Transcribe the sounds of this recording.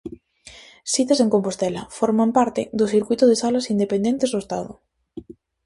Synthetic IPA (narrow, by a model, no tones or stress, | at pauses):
sit̪aseŋkompost̪elafoɾmampaɾt̪ed̪oθiɾkwit̪oðesalasind̪epend̪ent̪ezðoest̪a̰ðo̰